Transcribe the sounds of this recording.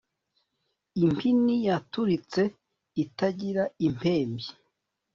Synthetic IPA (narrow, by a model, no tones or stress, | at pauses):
impʰinijatuɾit͡se̞ | itaɟiɾaim̥pʰe̞ːmbi